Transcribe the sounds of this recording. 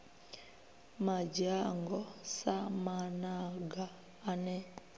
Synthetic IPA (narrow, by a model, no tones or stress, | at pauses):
mad͡ʒaŋɡɔsamanaɡaː | nɛ